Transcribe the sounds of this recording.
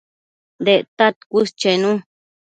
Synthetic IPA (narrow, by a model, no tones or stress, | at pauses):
d̪eʔt̪at̪kʷust͡ʃenũ